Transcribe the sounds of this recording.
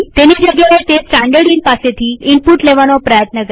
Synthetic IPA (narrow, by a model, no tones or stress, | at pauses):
t̪enid͡ʑəɡjaʋet̪esʈãɳɖəɽinpaset̪ʰiːimpuʈleʋañɔpɾəjət̪nəɡ